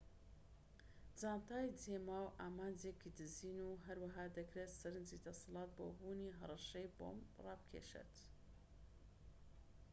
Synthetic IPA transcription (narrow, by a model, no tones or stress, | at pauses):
d͡zaːnt̪aːjd͡zeːmaːwʔaːmaːnd͡zekid̪ɨziːnuːɦɐɾwɐɦaːd̪ɐkɾet̪sɐɾɨnzid̪ɐsɨlˠɑːt̪̚bo̰ːbuːniɦɐrˤɑʃejbo̰ːmrɑːb̚kʰḛʃḛt̪